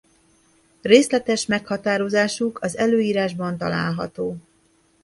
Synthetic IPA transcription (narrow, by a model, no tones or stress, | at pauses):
reːslɛt̪ɛʃmɛkhɒt̪aːɾo̞zaːʃukɒzɛløːjiːɾaːʒbɒnt̪ɒla̰ːlɦɒt̪oː